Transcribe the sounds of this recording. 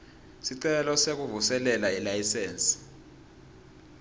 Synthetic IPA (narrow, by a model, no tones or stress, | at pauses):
siǀɛlɔsek̬uvusɛlɛlailajiseːnsi̥